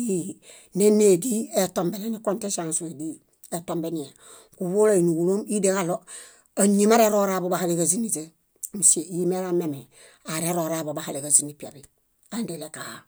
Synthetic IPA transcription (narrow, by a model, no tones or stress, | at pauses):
i | nenedietombelenikontesansuedi | etombenije | kuβolainuɡuloːmideŋalo | aɲimaɾeɾoɾabobahalekazinise | museimeɾameme | aɾeɾoɾabobahalekazinipeɾi | andelekaha